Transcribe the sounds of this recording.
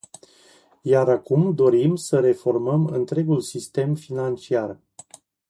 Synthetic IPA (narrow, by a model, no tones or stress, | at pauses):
jaɾakumd̪o̞ɾimsəɾe̞fo̞rməmɨ̰nt̪ɾe̞ɡulsist̪e̞mfinant͡ʃiar